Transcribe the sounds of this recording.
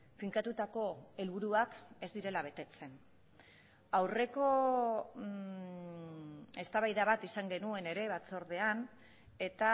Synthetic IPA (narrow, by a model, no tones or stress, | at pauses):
fiŋkat̪ut̪ako̞e̞lβuɾuake̞zd̪iɾe̞laβ̞e̞t̪e̞t͡se̞n | awre̞ko̞ | e̞st̪aβajðaβat̪isaŋɡe̞nue̞ne̞ɾe̞βat͡so̞ɾð̞e̞an | e̞t̪a